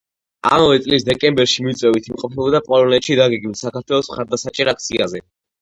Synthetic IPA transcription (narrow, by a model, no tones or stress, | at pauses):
a̰mavɛt̪sʼlisd̪ɛkʼɛmbɛɾʃimit̪sʼwɛvit̪ʰimqʼɔpʰɛbɔd̪apʼɔlˠɔnɛt̪ʃid̪aɡɛɡmilsakʰaɾt̪ʰwɛlˠɔsmχaɾd̪asat͡ʃʼɛɾak̚ʰt̪sʰiazɛ